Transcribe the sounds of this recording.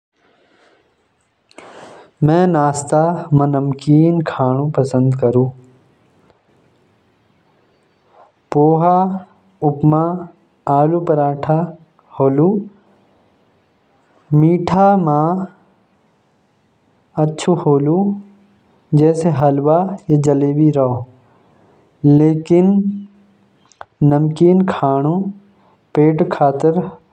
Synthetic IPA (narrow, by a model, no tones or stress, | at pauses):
mɛ̃ːnaːst̪amɐ̃nəmkiːnkʰaːɽ̃ũpɐsə̃nd̪kɐɾũː | poːɦa | ʊpma | aːlupɐɾaːʈʰa | hoːlu | miːʈʰamãː | ɐtːʃʰuhoːlu | d͡ʑɛːseɦɐlʋajad͡ʑɐleːbiɾɐo | leːkɪn | ɐmkiːnkʰaːɽ̃u | peːʈkʰaːt̪ɪɾ